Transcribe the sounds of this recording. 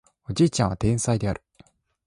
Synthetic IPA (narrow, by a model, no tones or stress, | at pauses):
o̞d͡ʑiːt͡ɕãɰ̃βat̪ẽ̞ɰ̃said̪e̞aɾɯ̟